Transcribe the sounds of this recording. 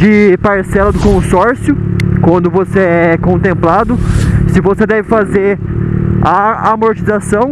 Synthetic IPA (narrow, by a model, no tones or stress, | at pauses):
d͡ʒɪpaɾsɛlɐd̪ʊkõsɔɾsjʊkwɐ̃nd̪ʊvoseɛkõnt̪ẽmplad̪ʊsɪvosed̪ɛvɪfazeɾ | aamoɾt͡ʃizasɐ̃w̃